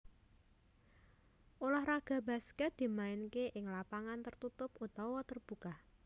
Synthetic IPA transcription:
ʔolahraɡ̥a̤ba̤skɛt̪̚d̪̥i̤maɪnkeʔɪŋlapaŋant̪ərt̪ut̪ʊput̪awɔt̪ərb̥uka

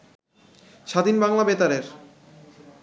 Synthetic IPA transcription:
ʃad̪ʱinbaŋlabet̪aɾeɾ

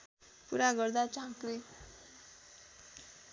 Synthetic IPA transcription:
puɾaɡʌrd̪at͡sãkɾi

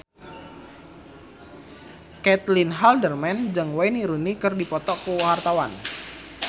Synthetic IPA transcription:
kɛt̪linɦaldərmɛnd͡ʒɨŋwajniɾunikɨrdipɔt̪ɔkuwɦart̪awan

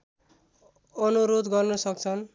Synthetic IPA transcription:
ʌnuɾod̪ɡʌrnʌsʌk̚t͡sʰʌn

